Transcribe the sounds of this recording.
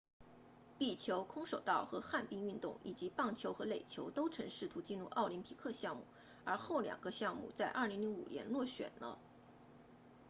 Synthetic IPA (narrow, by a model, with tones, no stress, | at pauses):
pi˥˩t͡ɕʰjo˧˥ʊkʰʊ˥ŋʂo˨˩ʊt̪ɑ˥˩ʊxɤ˧˥xa˥˧npi˥˧ŋy˥˧nt̪ʊ̰˥˩ŋḭ˨˩t͡ɕi˧˥pɑ˥˩ŋt͡ɕʰjo˧˥ʊxɤ˧˥le˨˩ɪt͡ɕʰjo˧˥ʊt̪o˥ʊʈ͡ʂʰɤ˧˥ŋʂɻ̩˥˩t̪ʰu˧˥t͡ɕi˥˧nɻu˥˩ʔɑ˥˩ʊli˧˥npʰi˧˥kʰɤ˥˧ɕjɑ˥˧ŋmu˥˩ | ə˞˧˥xo˥˩ʊljɑ̰˨˩ŋɡə˧˦ɕjɑ˥˧ŋmṵ˥˧t͡sa˥˧ɪʔɐ̰˥˩li˧˥ŋli˧˥ŋṵ˨˩njɛ̰˧˥nlwɔ˥˩ɕɥɛ̰˨˩nnə̰˦